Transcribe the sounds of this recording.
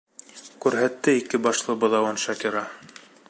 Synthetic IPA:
kʉɾɦæt̪ːɘikɘbɑʃlˠɤbɤ̆ðɑwɑnʃɑkiɾɑ

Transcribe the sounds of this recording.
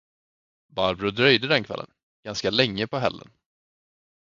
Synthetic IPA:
baɾbɾʊd̪ɾœjd̪əd̪ɛnkʰvɛ̰lːə̰n | ɡ̥anskalɛŋːəpɔɦɛ̰lːə̰n

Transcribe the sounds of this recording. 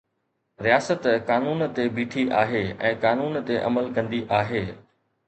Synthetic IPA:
ɾijaːsət̪kaːnuːnt̪ebiːʈʰiʔaːɦeɛ̃ːkaːnuːnt̪eʔɐ̰məlkɐ̃nd̪iʔaːɦeː

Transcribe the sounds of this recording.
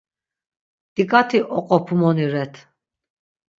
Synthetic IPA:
t̪ikʼat̪ʰiʔɔqʼɔpʰumɔniɾɛt̪ʰ

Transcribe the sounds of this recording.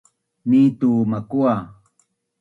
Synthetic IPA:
niːt̪uːmakua

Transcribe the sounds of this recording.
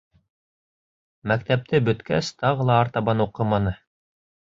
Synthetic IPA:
mæk̚t̪æp̚t̪ʰɘbɵ̆t̪kæ̰st̪ɑʁɤlˠɑːɾt̪ɑβɑnuqɤmɑnɤ

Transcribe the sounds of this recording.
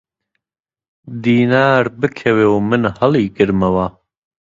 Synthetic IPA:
d̪iːnaːɾbɨkʰɐweːwmɨnhɐliːɡɨɾmɐwa

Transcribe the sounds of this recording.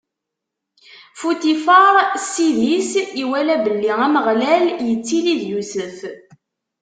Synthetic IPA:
fut̪ifɑɾˤsiðisiwælæbəlːiʁæməʁlæljət͡sːiliðjusəf

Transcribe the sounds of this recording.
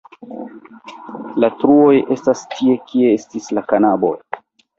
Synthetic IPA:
latɾuo̞je̞stastʰie̞kie̞estislakanabo̞̰j

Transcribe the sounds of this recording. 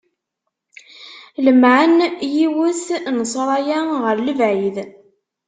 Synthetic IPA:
ləmʕənjiwəsnəsˤɾˤɑjæʁəɾləvʕið

